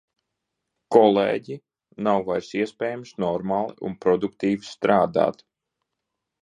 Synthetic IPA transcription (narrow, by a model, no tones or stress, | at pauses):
kɔlˠḛːɟi | nawvajɾsiɛspʲɛːjamsnɔɾmaːlˠiʔṵnpɾɔd̪ukt̪iːvist̪ɾaːd̪a̰ːt̪